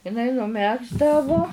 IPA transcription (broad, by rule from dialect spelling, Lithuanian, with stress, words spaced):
ɪˈnɐɪ nʊˈmʲæːɡzdɐʋoː